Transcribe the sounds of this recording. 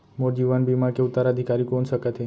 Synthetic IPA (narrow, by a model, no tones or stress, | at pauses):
moɾd͡ʒiʋanbimakeut̪ːaɾəd̪ʱikaɾikonʃəkat̪ʰe